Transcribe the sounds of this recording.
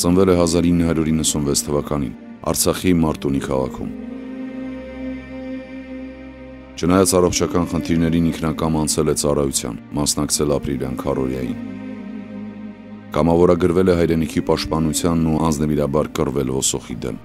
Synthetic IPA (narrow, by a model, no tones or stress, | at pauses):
t͡sənvɛlɛɦɑzɑɾinːəɦɑɾjuɾinːəsunvɛt͡sʰt̪ʰːəvɑkɑnḭn | ɑ̰ɾt͡sʰɑχimɑɾt̪unikʰɑʁɑ̰kʰṵm | t͡ʃʰənɑjɑt͡sɑrɔχt͡ʃʰɑkɑnχənt̪ʰiɾnɛɾiniŋkʰnɑkɑmɑnt͡sʰɛlɛt͡sɑrɑjut͡sʰjɑ̰nmɑsnɑkt͡sʰɛlɑpɾiljɑ̰nkʰɑrɔ̰ɾjɑ̰jḭn | kɑmɑvɔɾɑɡəɾvɛlɛɦɑjɾɛnikʰipɑʃt̪̚pɑnut͡sʰjɑnːuɑnd͡znəviɾɑbɑɾkərvɛlvɔsɔχid̪ɛ̰m